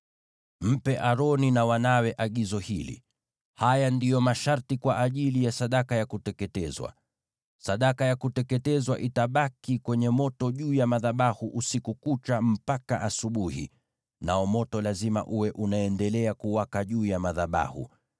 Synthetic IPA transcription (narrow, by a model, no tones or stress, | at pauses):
m̩pɛʔaɾɔninawanawɛʔaɠizɔhilḭ | hajandijɔmaʃaɾtikwaʔaʄilijasaɗakajakutɛkɛtɛzwa̰ | saɗakajakutɛkɛtɛzwaʔitaɓakikwɛɲɛmɔtɔʄuːjamaðaɓahuʔusikukut͡ʃam̩paka̰ʔasuɓuhḭ | naɔmɔtɔlazima̰ʔuwɛʔunaɛndɛlɛakuwakaʄuːjamaðaɓa̰hṵ